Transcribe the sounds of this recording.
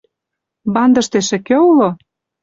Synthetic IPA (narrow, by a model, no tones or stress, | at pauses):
bɑnd̪ɤ̆ʃt̪eʃɘ̆kĕulo